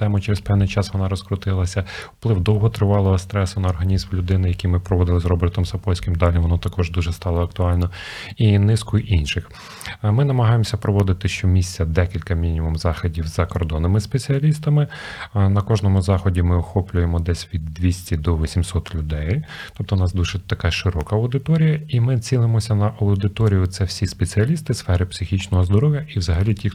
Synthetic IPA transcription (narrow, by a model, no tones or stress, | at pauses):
t̪ɛmʊt͡ʃeɾezpɛwnɪjt͡ʃɑsʋɔnɑɾɔskɾʊt̪ɪlˠɐsʲɐwplˠɪwd̪ɔwɦɔt̪ɾɪʋɑlˠɔɦɔst̪ɾɛsɐnɐːrɦɐnʲizmlʲʊd̪ɪnɪjɐkʲijmɪpɾɔʋɔd̪ɪlˠɪzrɔbert̪ɔmsɐpɔlʲsʲkɪmd̪ɑlʲiʋɔnɔt̪ɐkɔʒd̪uʒɛst̪ɑlˠɔɐkt̪ʊɑlʲnɔinɪskʊjʔinʃɪx | mɪnɐmɐɦɑjemɔsʲɐpɾɔʋɔd̪ɪt̪ɪʃt͡ʃɔmʲisʲtt͡sʲɐd̪ɛkʲilʲkɐmʲinʲimumzɑxɔdʲiwzɐkɔrd̪ɔnɪmɪspet͡sʲiɐlʲist̪ɐmɪnɐkɔʒnɔmʊzɑxɔdʲimɪɔxɔplʲʊjemɔd̪ɛsʲʋʲid̪ːʋʲisʲtʲid̪ɔʋɔsʲimsɔt̪lʲʊd̪ɛjt̪ɔp̚t̪ɔnɑsd̪uʒɛt̪ɐkɑʃɪɾɔkɐɐwd̪ɪt̪ɔɾʲijɐimɪt͡sʲinˠɪmɔsʲɐnɐʔɐwd̪ɪt̪ɔɾʲijʊt̪sɛwsʲispet͡sʲiɐlʲist̪ɪsfɛɾɪpsɪxʲit͡ʃnɔɦɔzd̪ɔɾɔʋʲjɐʔiwzɐɦɐlʲitʲix